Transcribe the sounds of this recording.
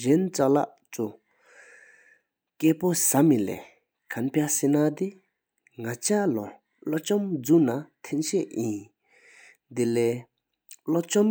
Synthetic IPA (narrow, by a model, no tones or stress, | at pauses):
ʑent͡saʔlaʔ | t͡su | keːposamilɛ̰ː | kʰanpʰjasenat̪i | ŋat͡ɕalo | lot͡ɕɔmd͡zunat̪ʰenɕeʔjin | d̪elɛː | lot͡ɕɔm